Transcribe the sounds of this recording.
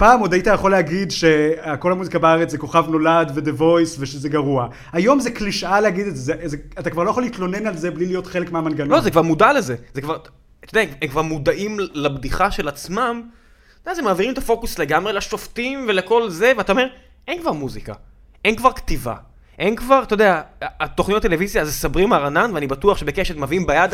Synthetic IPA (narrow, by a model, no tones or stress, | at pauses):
paːmo̞d̪ajitajaχo̞leaɡid̪ʃeako̞lhamuzikabaaʁet͡szeko̞χavno̞lad̪ved̪evojsveʃezeɡaʁua | hajo̞mzekliʃaleaɡid̪ezezezeatakvaʁlojaχolit̪lo̞ne̞nalzeblilijo̞tχelekmeamanɡanolozekvaʁmudalezezekvaʁ | t̪od̪eaemkvaʁmud̪aʔimlabdiχaʃe̞lat͡smam | tod̥̪eazemaːviʁimet̪afo̞kusle̞ɡamʁe̞leʃo̞ftimve̞leko̞lze̞veataom | ʔe̞nkvaʁmuzika | e̞nkvaʁkt̪iva̰ | ʔenkvaʁt̪od̪eaːt̪oχnitat̪elevizjazesabʁimaʁananveanibatuaχʃebekeʃetmaviimbajad̪